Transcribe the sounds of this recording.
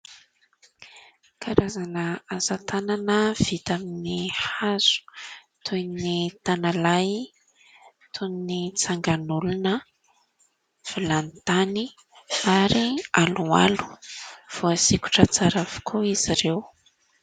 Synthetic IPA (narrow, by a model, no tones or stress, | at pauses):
kʰaɾazanəazat̪ʰananəv̥it̪aminihaz̥u̥ | t̪ʰujnit̪analaj | t̪ʰunnit͡saŋɡanulunə | v̥ilanit̪ani | aɾialua̰lu̥v̥oasikʲu̥ʈ͡ʂət͡saɾav̥i̥kʰuiz̥iɾew